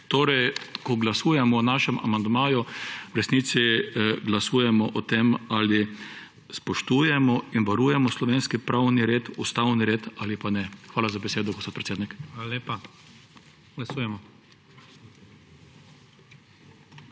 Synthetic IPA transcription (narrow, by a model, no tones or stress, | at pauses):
t̪oːɾɛjkɔɡlasuːjɛmɔːnaːʃɛmʔa̰mand̪maːjuwɾɛsnit̪siɡlasuːjɛmɔʔɔt̪emali | spɔʃt̪uːjɛmɔinʋaɾuːjɛmɔslɔʋeːnskipɾʔawniɾeːt̪ust̪awniɾeːt̪alipanɛxʋaːlazabɛseːd̪ɔɡɔspot̪̚pɾɛt̪seːd̪nikalalepa | ɡlasuːjɛmɔ